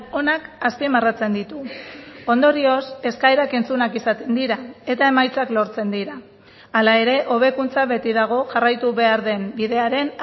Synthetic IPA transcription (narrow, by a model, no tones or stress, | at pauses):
o̞nakaspimarat͡se̞nd̪it̪uo̞nd̪oɾio̞se̞skaeɾake̞nt͡sunakisat̪e̞nd̪iɾae̞t̪ae̞majt͡saklo̞ɾt͡se̞nd̪iɾaː | lae̞ɾe̞ʔo̞βe̞kunt͡saβe̞t̪iðaɣ̞o̞ʝarajt̪uβe̞aɾðe̞mbiðe̞aɾe̞n